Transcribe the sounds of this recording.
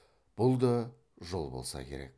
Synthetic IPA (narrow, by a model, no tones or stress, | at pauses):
b̥ʊlˠd̪ɑ | ʒolˠbolˠsɑ̰kʲʰe̞̰ɾe̞̰k̚